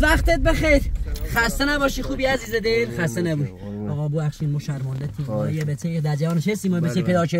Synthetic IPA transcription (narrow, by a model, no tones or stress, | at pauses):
væxt̪et̪̚bexejɾχæst̪enæbɒːʃixuːbiæziːzed̪elxæst̪enæbuɒːɣɒːbuæxʃiːnmɔːʃæɾmɒːnd̪et̪ʰiɒjebet̪ʰed̪æɾd͡ʒævɒːnet͡ʃʰest̪iːmɒːjbet̪ʰepʰejd̪ɒːkʰe